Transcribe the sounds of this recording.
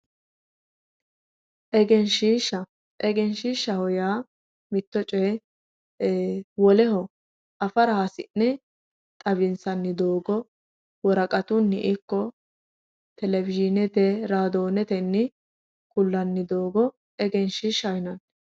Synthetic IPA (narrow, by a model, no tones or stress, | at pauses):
ʔɛɡɛnʃiːʃɐ | ʔɛɡɛnʃiːʃːɐhɔjaː | mɪt̪ːɔt͡ʃʼɛ | wɔlɛɦɔ | ʔɐfɐɾɐhɐsɪ̰nnɛ | t̪ʼɐbɪnsɐnːɪd̪o̞ːɡɔ | wɔɾɐkʼɐt̪ʊnːɪʔɪkːɔ | t̪ɛlɛvɪd͡ʒɪnɛt̪ɛɾaːd̪oːnɛt̪ɛnːɪ | kʊlːɐnːɪd̪o̞ːɡɔ | ɛɡɛnʃiːʃɐjɪnɐn